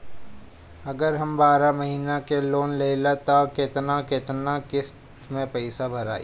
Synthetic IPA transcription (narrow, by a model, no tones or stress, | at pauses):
ɐɡəɾɦɐmbaːɾamɐɦiːnakeloːnleːlat̪akɪt̪nakɪt̪nakɪst̪t̪mẽpɛɪsabʱɐɾa̰ːḭ